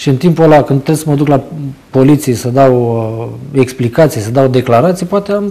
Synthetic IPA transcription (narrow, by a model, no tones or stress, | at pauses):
ʃiɨnt̪impuəlakɨnd̪t̪ːɾebsəməd̪uklapo̞lit̪sijesəd̪aw | e̞ksplikat̪sijsəd̪awd̪e̞klaɾat̪sijpoat̪eam